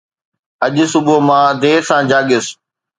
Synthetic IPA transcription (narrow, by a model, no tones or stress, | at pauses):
ɐʄʊsʊbʊmãːd̪eːɾsãːd͡ʑaːɡɪs